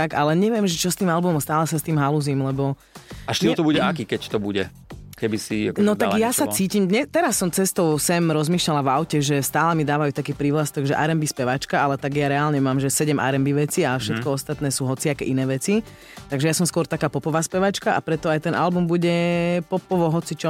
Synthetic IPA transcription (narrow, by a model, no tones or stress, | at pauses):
t̪aɡalɛɲɛʋɪɛmʒɛt͡ʃɔst̪iːmalbumɔmst̪aːlɛsast̪iːmɦaluziːmlɛbɔ | aʃt̪it̪ɔbuɟɛakikɛct̪ɔbuɟɛ̰ | kɛbisinɔt̪aɡjasat͡siːciːmɲɛt̪ɛɾasːɔmt͡sɛst̪ɔʊsɛmɾɔzmiːʃlalaʋaʊcɛʒɛst̪aːlɛmid̪aːʋajuːt̪akiːpɾiːʋlast̪ɔɡʒɛʔa̰ɾɛmbispɛʋat͡ʃkaalɛt̪aɡjaɾɛaːlɲɛmaːmʒɛsɛɟɛmʔa̰ɾɛmbiʋɛt͡siafʃɛt̪kɔɔst̪at̪nɛːsuːɦɔt͡siakɛ̰ʔinɛːʋɛt͡si | t̪aɡʒɛjasɔmskʊɔɾt̪akaːpɔpɔʋaːspɛʋat͡ʃkaʔa̰pɾɛt̪ɔajt̪ɛnʔa̰lbumbuɟɛpɔpɔʋɔɦɔt͡sit͡ʃɔ